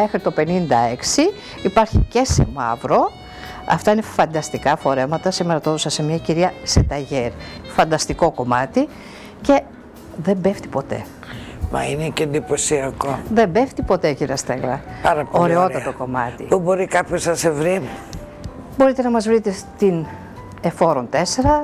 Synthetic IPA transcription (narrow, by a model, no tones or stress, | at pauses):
me̞xɾit̪o̞pe̞nind̪ɐe̞ksiː | pɐɾçice̞sḛmɐ̰vɾo̞ | ɐ̰ft̪ɐinefɐnd̪ɐst̪ikɐfo̞ɾe̞mɐt̪ɐsimeɾɐt̪oðosɐse̞mɲɐciɾiɐse̞t̪ɐʝeɾfɐnd̪ɐst̪iko̞ko̞mɐt̪i | ce̞ | ðe̞mbe̞ft̪i̥po̞t̪e̞̰ | mɐ̰ineceend̪ipo̞siɐkoðe̞mbe̞ft̪ipo̞t̪e̞ciɾiɐst̪eɣɾɐpɐɾɐoɾe̞o̞t̪ɐt̪o̞ko̞mɐ̰t̪ḭpubo̞ɾikɐpçoznɐsevɾi | bo̞ɾit̪e̞nɐmɐzvɾit̪e̞t̪in | e̞fo̞ɾo̞nt̪ese̞ɾɐ